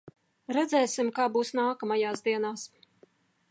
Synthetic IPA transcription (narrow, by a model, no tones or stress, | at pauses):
ɾɛd̪zɛːsimkaːbuːsnaːkamajaːsd̪iɛnaːs